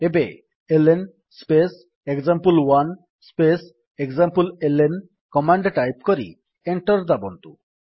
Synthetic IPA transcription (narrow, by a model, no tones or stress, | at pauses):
ebe | elen | spes | ekzampulwan | spes | ekzampulelen | kɔmaɳɖʈajpkoɾḭ | eɳʈɔɾd̪abont̪ṵ